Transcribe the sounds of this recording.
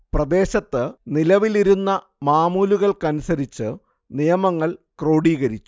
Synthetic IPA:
prɐd̪e̞ːɕɐt̪ːɨnilɐʋiliɾunːɐ | maːmuːluɣɐɭkɐnusɐɾit͡ɕːɨ | nijɐmɐŋːɐɭkro̞ːɽiːɣɐɾit͡ɕːu̥

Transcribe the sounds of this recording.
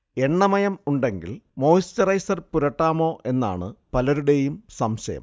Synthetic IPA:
e̞ɳːɐmɐjɐmuɳɖe̞ŋɡḭlmo̞ːjstɐrɐjsɐrpuɾɐʈːaːmo̞ːʔe̞nːa̰ːɳɨpɐlɐɾuɽe̞jumsɐmɕɐjɐ̰m

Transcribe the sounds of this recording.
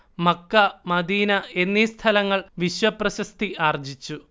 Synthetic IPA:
mɐkːɐmɐd̪iːnɐe̞nːist̪ʰɐlɐŋːɐɭʋiɕʋɐprɐɕɐst̪ʰiaːrd͡ʑit͡ɕːu

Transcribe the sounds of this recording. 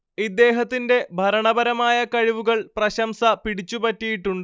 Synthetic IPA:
id̪ːe̞ːɦɐt̪ːinde̞bʱɐɾɐɳɐbɐɾɐmaːjɐkɐɻiʋuɣɐɭprɐɕɐmsɐpiɽit͡ɕːupɐtːijiʈːuɳɖɨ

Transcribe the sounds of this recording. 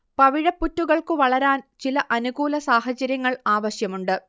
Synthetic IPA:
pɐʋiɻɐpːutːuɣɐɭkɨʋɐɭɐɾaːnt͡ɕilɐʔɐnuɣuːlɐsaːhɐt͡ɕɐɾjɐŋːɐɭaːʋɐɕjɐmuɳɖɨ

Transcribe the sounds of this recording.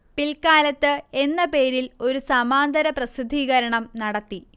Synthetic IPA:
pilkaːlɐt̪ːɨe̞nːɐpe̞ːɾilo̞ɾusɐmaːnd̪ɐɾɐprɐsid̪ʱːiːɣɐɾɐɳɐmnɐɽɐt̪ːi

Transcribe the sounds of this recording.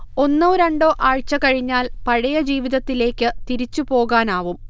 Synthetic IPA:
o̞nːuːɾɐɳɖo̞ːʔaːɻt͡ɕːɐkɐɻiɲːaːlpɐɻɐjɐd͡ʑiːʋiðɐt̪ːile̞ːkʲːɨt̪iɾit͡ɕːupo̞ːɣaːnaːʋum

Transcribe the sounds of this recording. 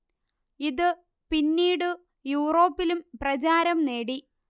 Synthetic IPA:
iðɨ | pinːiːɽɨ | juːro̞ːpːilumprɐt͡ɕaːɾɐmneːɽi

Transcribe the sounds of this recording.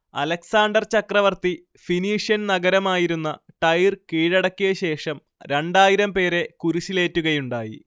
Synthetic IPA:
ɐlɐksaːɳɖɐrt͡ɕɐkrɐʋɐrt̪i | finiːʂjɐnnɐɡɐɾɐmaːjiɾunːɐʈɐjrkiːɻɐɽɐkʲːijɐɕe̞ːʂɐm | ɾe̞ɳɖaːjiɾɐmpe̞ːɾe̞kuɾuɕile̞ːtːuɣɐjuɳɖaːjḭ

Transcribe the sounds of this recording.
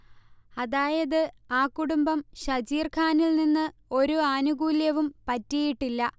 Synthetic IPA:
ɐðaːjɐðɨ | aːkːuɽumbɐmɕɐd͡ʑiːrkʰaːnilninːɨo̞ɾuɐnuɡuːljɐʋumpɐtːijiʈːilːɐ

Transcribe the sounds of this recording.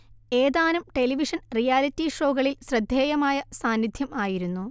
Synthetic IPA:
e̞ːðaːnumʈe̞liʋiʂɐnrijaːlitːiʂo̞ːɣɐɭilɕrɐd̪ʱjeːjɐmaːjɐsaːnːid̪ʱjɐmaːjiɾunːu

